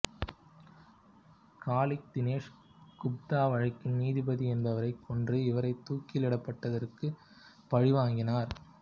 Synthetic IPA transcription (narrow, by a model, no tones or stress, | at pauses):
kaːlɪk̚t̪ɪneːʂ | kʊp̚t̪aːʋɐɻɐkːɪnniːðɪbɐðiɛnbɐʋɐɾɐɪkʰːɔndrɯɪʋɐɾɐɪt̪ːuːkːɪlɪɽɐpːɐʈːɐðɐrkɯ | pɐɻɪʋaːŋɡɪnaːɾ